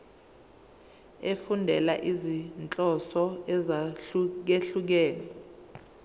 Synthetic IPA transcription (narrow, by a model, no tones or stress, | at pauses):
efundʱɛlaʔizint͡ɬʼɔsɔɛzauk̬eɬuk̬ɛːnɛ